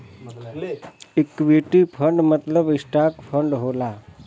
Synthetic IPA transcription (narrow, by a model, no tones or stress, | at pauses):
ɪkːʋiʈipʰə̃ɳɖmət̪ləbɪsʈaːkpʰə̃ɳɖɦoːlaː